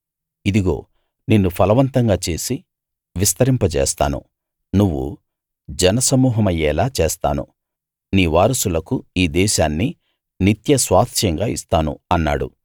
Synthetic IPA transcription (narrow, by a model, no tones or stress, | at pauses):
id̪iɡo̞̰ː | ninːupʰɐlɐʋɐnt̪ɐŋɡaːt͡ʃe̞ːsi | ʋist̪ɐɾimpɐt͡ʃɛ̰ːst̪a̰ːnṵ | nuʋːṵ | d͡ʒɐnɐsɐmuːɦɐmɐjːɛːlaːt͡ʃeːst̪a̰ːnṵ | niːʋaːɾɐsulɐkuiːd̪ɛːʃaːnːi | nit̪jɐsʋaːt̪ʃɐŋɡaːist̪aːnṵɐnːa̰ːɽṵ